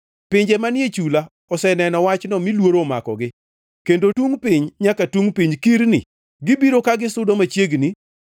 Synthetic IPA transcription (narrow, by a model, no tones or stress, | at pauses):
pɪɲd͡ʒemanjet͡ʃula | ɔsɛnɛnɔwat͡ʃnɔmilwoɾoma̰kɔ̰ɡɪ | kendotuŋpɪɲɲakatuŋpiɲkiɾnɪ̰ | ɡɪbiɾokaɡɪsʊdomat͡ʃjeɡni